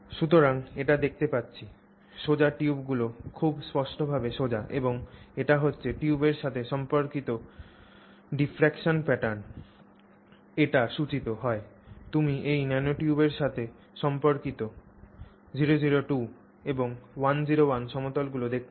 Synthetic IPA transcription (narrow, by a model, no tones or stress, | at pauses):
ʃut̪oɾaŋeʈad̪ek̚ʰt̪epatːɕʰi | ʃod͡ʑaʈiubɡulokʰubspɔʃʈobʱabeʃod͡ʑaʔeboŋeʈaɦotːɕʰeʈiubeɾʃat̪ʰeʃɔmpoɾkit̪o | ɖifɾɛkʃonpɛʈaɾn | eʈaʃut͡ɕit̪oɦɔet̪umiejnɛnoʈiubeɾʃat̪ʰe | ʃɔmpoɾkit̪o | d͡ʑiɾod͡ʑiɾoʈu | eboŋwand͡ʑiɾowanʃɔmot̪olɡulod̪ek̚ʰt̪